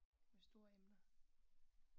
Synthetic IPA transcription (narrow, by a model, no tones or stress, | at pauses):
mesd̥o̝ːɐemnə